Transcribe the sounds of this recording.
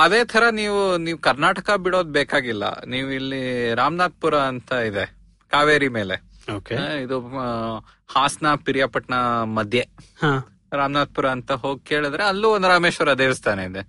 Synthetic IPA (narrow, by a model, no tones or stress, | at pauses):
ɐd̪e̞ːt̪ʰɐɾɐniːʋuniːʋukɐɾnaːʈɐkɐbiɽo̞ːd̪beːkaːɡilːɐ̰niːʋuilːiɾaːmnaːd̪̚puɾɐɐnt̪ɐid̪e | kaːʋeːɾime̞ːlḛokeid̪u | haːsnɐpiɾijapɐʈnɐmɐd̪ʱjeha | ɾaːmnaːd̪̚puɾɐːnt̪ɐɦo̞ːɡ̚ke̞ːɭid̪ɾeɐlːuond̪ɾaːmeːʃʋɐɾɐɐd̪eːʋist̪aːneid̪e